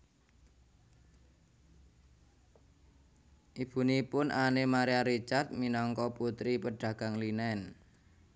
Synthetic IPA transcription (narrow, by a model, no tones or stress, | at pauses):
ʔib̥ṳnipʊnʔanemaɾiaɾit͡ʃart̪̚minɔŋkɔput̪ɾipəɖ̥a̤ɡ̥a̤ŋlinɛn